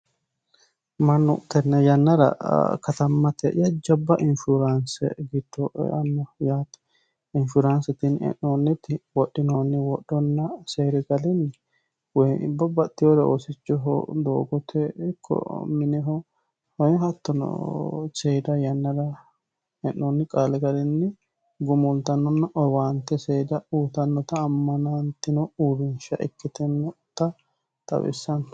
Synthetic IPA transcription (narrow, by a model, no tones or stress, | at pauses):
mɐnːʊt̪ɛnːɛjɐnːɐɾɐ̰kɐt̪ɐmːɐt̪ɛʔjɐd͡ʒɐbːɐʔɪnfʊɾɐnsɛ̰ɡɪd̪̥ːɔ̰ɐnːɔjaːt̪ɐ̥ | ɪnfʊɾɐnsɛt̪ɪnɛ̰ʔonːɪt̪ɪwɔɗːɪnoːnːɪwɔɗːɔnːɐseːɾɪɡɐlɪnɪ | wɔj̰bɐbɐt̪ːɪjoɾɛosɪt͡ʃːɔɦɔ̰d̪o̰ːɡɔt̪ʰɛɪkʰːɔ̰mɪnɛɦɔ | hɔmɦɐt̪ːɔnɔ̰seːd̪ɐjɐnːɐd̪ɐ | hɛnːɔnːɪkʼaːlɛɡɐlɪnːɪ | ɡʊmʊlt̪ɐnːɔnːɐʔɔwaːnt̪ːɛseːd̪ɐuːt̪ɐnːɔt̪ɐːmːɐnant̪ːɪnɔuːbɪnʃɐ̰ʔɪ̰kːɪt̪ɛnːɔ | t̪ɐ | t̪ʼɐ̰wɪ̰sːɐnɔ